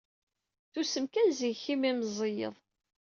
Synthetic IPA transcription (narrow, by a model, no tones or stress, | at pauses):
θusəmkænziçimimzˤijə̰ðˤ